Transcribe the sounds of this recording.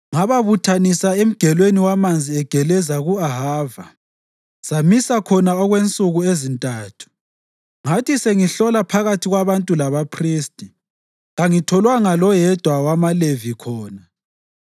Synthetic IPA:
ŋaβaβutʰanisaem̩ɡ̥ʱɛlweniwamand͡zʱiɛɡ̥ʱɛlɛzaɣuaɦaːva | samisakʰɔnaɔɣwent͡sʼuɣuezintʼaːtʰu̥ | ŋatʰiseŋiɬɔlapʰaɣatʰiɣwaβantʼulaβapʰriːstʼi | ɣaŋitʰɔlwaŋalɔjɛd̥ʱwawamalevikʰɔːna

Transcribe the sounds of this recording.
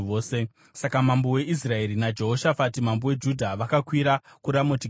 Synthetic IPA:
oːse̞ | sakamambowe̞ʔis̬rae̞ɾinad͡ʒe̞ɦo̞ʃafatimambowe̞d͡ʒudʱaʋakakwiɾakuɾamoti

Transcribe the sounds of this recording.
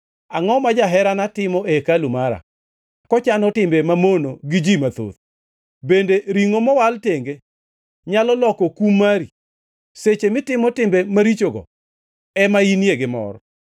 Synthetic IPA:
aŋɔmad͡ʒaɦɛɾanatɪmɔekalumaɾa̰ | kɔt͡ʃanɔtɪmbemamonoɡɪd͡ʒimat̪o̰t | bendeɾiŋomɔwalteŋɡe | ɲalɔlɔkokumːaɾi | set͡ʃemɪtɪmɔtɪmbemaɾit͡ʃoɡɔ̰ | ɛmainjeɡɪmɔ̰ɾɔ

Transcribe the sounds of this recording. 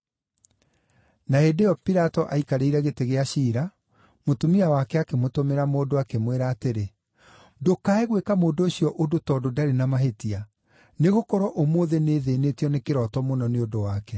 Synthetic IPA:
naedejɔpiɾatɔʔaikaɾeiɾɛɣeteɣeaʃiːɾa | motumiawakɛakemotomeɾamoːdoakemweɾaːteɾe | dokaɛɣwekamoːdoːɕiɔʔodotɔdodaɾenamaɦetia | neɣokɔɾɔʔomoːðeneːðeːneːtiɔnekeɾɔtɔmonɔneodowakɛ

